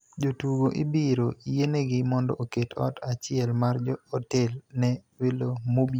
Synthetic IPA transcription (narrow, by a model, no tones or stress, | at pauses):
d͡ʒotuɡoʔibiɾoijeneɡɪmɔndɔ̰ʔoketɔ̰tat͡ʃɪɛlmard͡ʒɔɔtɛlnɛwelomobi